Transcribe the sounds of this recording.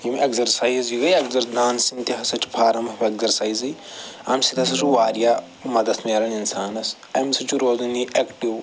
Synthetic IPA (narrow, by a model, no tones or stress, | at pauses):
jimekzɐɾsaːiziɡɐjɐkzɐɾd̪aːnsint̪iɦɐsɐt͡ʃʰpʰaːɾɐmɐpekzɐɾsaːiziɐ̰msit̪ɐsɐt͡ʃuʋaːɾjaː | mɐd̪ɐt̪ʰmeːɾɐninsaːnɐs | ɐmsit͡ʃuɾoːzɐniekʈiw